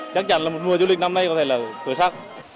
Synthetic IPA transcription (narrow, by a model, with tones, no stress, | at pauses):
t͡ɕa˦˥k̚t͡ɕa˧˥nlaː˨˩mo˨˩t̚mu˨˩zo˧˦li˨˩k̟̚na˧mna˧jkɔ˨˦t̪ʰe˧˩laː˨˩t̪əː˧˩˦saː˦˥k̚